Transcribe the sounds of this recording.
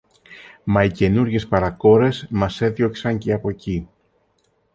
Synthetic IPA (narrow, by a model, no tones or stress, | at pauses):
mɐice̞nuɾʝe̞spɐɾɐko̞ɾe̞zmɐse̞ðjo̞ksɐɲceɐpo̞ci